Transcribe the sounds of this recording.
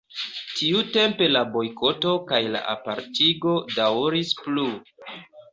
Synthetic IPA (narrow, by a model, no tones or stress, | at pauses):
tʰiute̞mpe̞labo̞jkʰo̞to̞kajla̰ʔa̰pa̰ɾtiɡo̞dawɾisplu